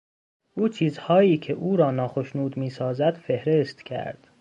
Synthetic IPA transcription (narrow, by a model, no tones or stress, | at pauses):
ʔuːt͡ʃʰiːzhɒːiːcʰeʔuːɾɒːnɒːxo̞ʃnuːd̪miːsɒːzæd̪̥fe̞hɾest̪cʲʰæ̰ɾd̪̥